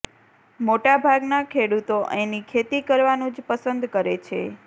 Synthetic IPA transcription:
moʈabʱaɡnakʰeɽut̪oʔenikʰet̪ikəɾʋanũd͡ʒpəsənd̪kəɾet͡ʃʰḛ

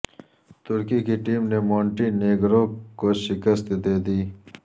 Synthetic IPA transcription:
t̪ʊɾkikiʈiːmnemoːɳʈineːɡɾõkoʃɪkəst̪d̪eːd̪iː

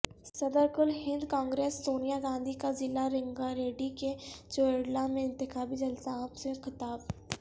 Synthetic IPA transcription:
sɐd̪əɾɡʊlɦɪ̃nd̪kãːŋɡɾeːsːoːnijaɡãːnd̪ʱikazɪlaɾɪ̃ŋɡaɾeːɖiked͡ʒoːeɽlamẽɪ̃nt̪ɪxaːbid͡ʒɐlsaːbsẽxɪt̪aːb

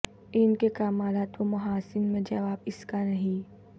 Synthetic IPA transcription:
ɪnkekaːmaːlaːt̪omɐɦaːsɪnmẽd͡ʒɐʋaːbɪskanɐɦĩ

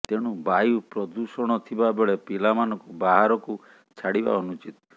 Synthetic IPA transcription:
t̪eɽ̃ubajupɾɔd̪usɔɽ̃ɔt̪ʰibabeɭepilamanɔ̃ŋkubaɦaɾɔku | t͡ʃʰaɽiba̰ɔnut͡ʃit̪ɔ

